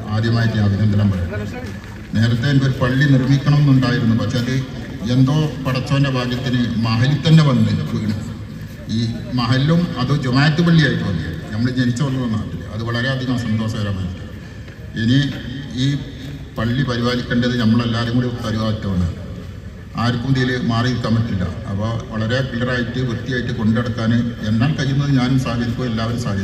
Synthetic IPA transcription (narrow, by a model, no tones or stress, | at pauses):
aːd̪ʱjɐmaːjiʈːimɐbʱiɡɐnd̪ʱɐnɐmpɐɾɐuu | ne̞ːɾɐt̪ːe̞enikːo̞ɾupɐɭːinirmikʲːɐɳɐme̞nːuɳɖaːjiɾunːupɐkʂe̞ɐðɨ | e̞nd̪o̞ːpɐɽɐt͡ɕːɐːɐndɐbʱaːɡjɐt̪ːinɨmɐɦɐlit̪ɐnːe̞ʋɐnːuiɾikːuiɳɐ | iː | mɐɦɐlːumɐðud͡ʑunaːjɐt̪ːɨpɐɭːijaːjiʈːuʋɐnːij̰ɨnɐmːɐɭet͡ɕenit͡ɕːɐʋɐlːunːnːaːʈːilːɨ̰ɐðɨʋɐɭɐɾe̞ɐd̪ʱiɣɐmsɐnd̪o̞ːʂɐɡɐɾamɐnːɨ | eniiː | pɐɭːipɐɾibaːlikʲːeɳɖɐðɨnɐmːɐɭelːaːðemːuɽet̪ɐɾiʋaːðɐtːɐmɐɳɨ̰ | aːjiɾikːumd̪ijilɨmaːriiɾukːaːmpeʈːilːɐ̰ɐ̰pːoʋɐɭɐɾe̞kiːɐraːjiʈːɨʋɨt̪ːijaːjiʈːɨko̞ɳɖeɽɐt̪ːaːnɨe̞nːaːlkɐɾːunːɐðɨɲaːnumsaːkɐɾikʲːuʋɐelːaːʋɐɾumsaːkʰɐɾi